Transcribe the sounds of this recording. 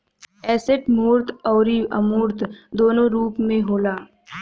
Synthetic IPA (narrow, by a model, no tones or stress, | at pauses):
ɛːseʈmuːɾt̪ʰɔːɾiɐmuːɾt̪ʰd̪oːnõɾuːpmẽɦoːlaː